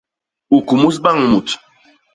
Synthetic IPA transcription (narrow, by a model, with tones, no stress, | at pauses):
u˨ku˨mu˦s̬ɓa˦˨ŋmu˨t